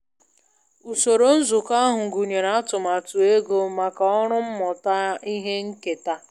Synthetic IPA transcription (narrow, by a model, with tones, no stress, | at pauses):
u˨so˨ɾo˦n̩˦zʊ˨ka˦ɦʊ˨ŋ̩˨ɡu˨ɲe˨na˨a˦tʊ˨ma˨tʊ˨e˦ɡo˦ma˨ka˨ɔ˦ɾʊ˦m̩˦mɔ˨ta˦i˦ɦe˦ŋ̩˦ke˨ta˦